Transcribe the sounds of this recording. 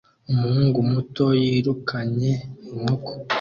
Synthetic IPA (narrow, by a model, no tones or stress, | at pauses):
umuhuːŋɡumuto̞jiːɾukʰaɲe̞muko̥